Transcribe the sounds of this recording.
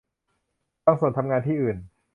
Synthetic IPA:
t̪ɔː˧ŋsu˨˩nt̪ʰa˧mŋaː˧nt̪ʰiː˥˩ʔɯː˨˩n

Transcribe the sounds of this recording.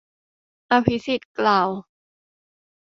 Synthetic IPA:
ʔa˧pʰi˦˥si˨˩t̪̚klaː˨˩w

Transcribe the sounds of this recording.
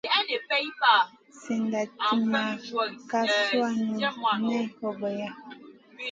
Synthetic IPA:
e˨pɛ˦a˦ | si˨nda˨ti˦ma˨ka˦swa˦nu˨nɛ˦hɔ˨bɔ˨ja˦

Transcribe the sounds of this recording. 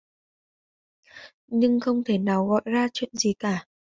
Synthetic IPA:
ɲɨ˧ŋxə˧wŋ͡mt̪ʰe˧˩naː˨˩wɣɔ̰˧˨jzaː˧t͡ɕwḭ˧˨ənzi˨˩kaː˧˩

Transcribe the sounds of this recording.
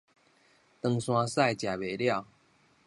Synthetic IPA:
t̪ə˧˦ŋswã˦sa˥˨jt͡ɕja˨˩be˨˩lja˥˨ʊ

